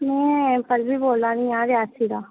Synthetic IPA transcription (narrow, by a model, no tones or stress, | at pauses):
mɛ̃ːpəɾbʱiːboːlaːnĩːãːɾɪaːsiːɾaː